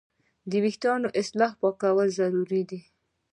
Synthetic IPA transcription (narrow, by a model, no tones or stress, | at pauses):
d̪əwixt̪ɑnoʔɪslɑhpɑkawəlzaɾuɾid̪i